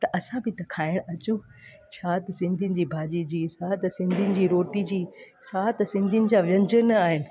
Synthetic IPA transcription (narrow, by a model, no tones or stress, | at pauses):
t̪ɐʔɐsãbɪt̪ɐkʰaːɪɽ̃ɐt͡ɕu | t͡ɕʰaːt̪ɐsɪ̃nd̪ʱinɪ̆d͡ʑiːbʱaːd͡ʑid͡ʑiːsaːt̪ɐsɪ̃nd̪ʱinɪ̆d͡ʑiːɾoːʈid͡ʑiː | saːt̪ɐsɪ̃nd̪ʱijnɪ̆d͡ʑãʋjɐ̃ɲd͡ʑənaːɦɪnɪ̆